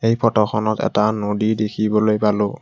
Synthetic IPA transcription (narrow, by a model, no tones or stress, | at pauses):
ejpʰɔtɔxɔnɔtɛ̰tanodidekʰibɔlojpalʊ